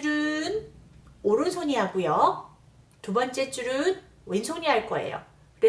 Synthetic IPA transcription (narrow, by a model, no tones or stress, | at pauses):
uɾɯn | oɾɯnsʰoɲiɦaɡujo | tubʌnt͡ɕ͈e̞t͡ɕ͈uɾɯn | wensʰoɲiɦaɭk͈ʌ̰e̞̰jo̰ | kɯɾe